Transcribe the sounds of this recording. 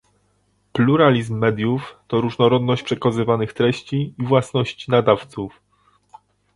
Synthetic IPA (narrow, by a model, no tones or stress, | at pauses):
pluɾalʲizmːɛd̪ʲjuft̪ɔɾuʐnɔɾɔd̪nɔɕt͡ɕʲpʂɛkazɘvanɘxt̪ɾɛɕt͡ɕiːvwasnɔɕt͡ɕinad̪aft̪suf